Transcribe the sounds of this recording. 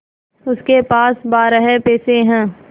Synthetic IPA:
ʊskepaːsbaːɾəɦɛpɛːseɦɛ̃ː

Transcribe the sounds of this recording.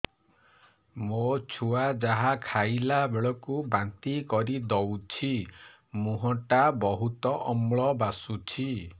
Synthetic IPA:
mot͡ʃʰuad͡ʒaɦakʰajlabeɭɔkubant̪ikɔɾid̪ɔwt͡ʃʰi | muɦɔʈabɔɦut̪ɔʔɔmɭɔbasut͡ʃʰi

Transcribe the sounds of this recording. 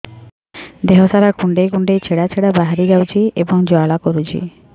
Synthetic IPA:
d̪eɦɔsaɾakuɳɖejkuɳɖejt͡ʃʰeɽat͡ʃʰeɽabaɦaɾid͡ʒawt͡ʃʰiebɔŋd͡ʒɔaɭakɔɾut͡ʃʰḭ

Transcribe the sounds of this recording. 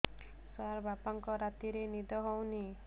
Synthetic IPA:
saɾbapaŋkɔɾat̪iɾenid̪ɔɦɔwni

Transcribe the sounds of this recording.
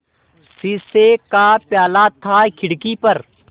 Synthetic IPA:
siːseːkaːpjaːlaːt̪ʰːaːkʰɪɽkipɐɾ

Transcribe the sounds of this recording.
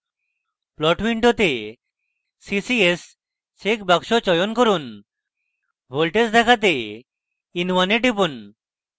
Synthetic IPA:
plɔʈbiɳʈot̪eː | isies | sekbaɡʃot͡ɕɔjonkoɾun | bʱolʈesd̪ɛkʰat̪e | inʋaneʈipun

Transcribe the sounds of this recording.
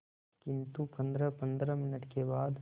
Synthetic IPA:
kɪnt̪upɐnd̪ɾɐpɐnd̪ɾɐmɪnəʈkebaːd̪

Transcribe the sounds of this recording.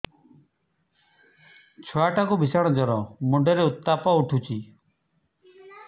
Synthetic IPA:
t͡ʃʰɔaʈakubisaɽ̃ɔd͡ʒɔɾɔmuɖʱeɾeut̪ːapɔuʈʰut͡ʃʰi

